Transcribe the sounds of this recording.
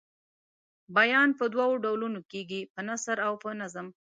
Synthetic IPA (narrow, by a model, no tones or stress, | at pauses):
bajɑnpəd̪wɑwoɖawlunokeɡipənasəɾawpənazəm